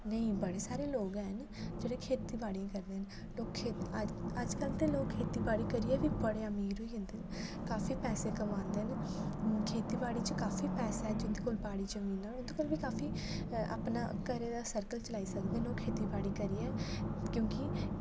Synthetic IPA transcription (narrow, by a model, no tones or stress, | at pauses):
nəĩːbəɽeːsaːɾeːloːɡɛːn | d͡ʒeːɽeːkʰeːt̪iːbaːɽiãːkəɾd̪eːɦɛn | loːkkʰeəd͡ʒkəlt̪eːloːkkʰːeːt̪iːbaːɽiːkəɾiːɛːʋiːbəɽeːəmiːɾɦoiːɦə̃nd̪eːn | kaːfiːpɛːseːkəmãːnd̪eːɦn | kʰeːt̪iːbaːɽiːt͡ʃəkaːfʰiːpɛːseːɦɛːd͡ʒɪnd̪iːkoːlpaːɽiːd͡ʒəmĩːnːaːʊd̪õːkəlʋiːkaːfiː | ʔa̰ːpna̰ːkəɾeːd̪aːsəɾkəlt͡ʃəlaːiːsəkd̪eːɛːnloːkkʰeːt̪iːbaːɽiːkəɾiːɛːkjõːkɪ